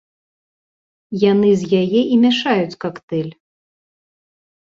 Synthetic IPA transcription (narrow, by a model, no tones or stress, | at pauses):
janɨzʲjajɛʔimʲɛʂajut͡sʲkakt̪ɛlʲ